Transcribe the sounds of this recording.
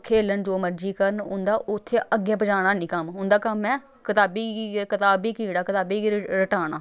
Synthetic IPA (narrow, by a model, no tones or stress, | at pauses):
kʰeːlənd͡ʒoːməɾd͡ʒiːkəɾəɳʊ̰nd̪aːʔʊt̪ʰːeːʔəɡẽːpəd͡ʒaːɽ̃aːnĩːkəmɦʊnd̪aːkəmɛ̃ː | kɪt̪aːbiːkɪt̪aːbiːkiːɽaːkɪt̪aːbiːɾəʈaːɽ̃aː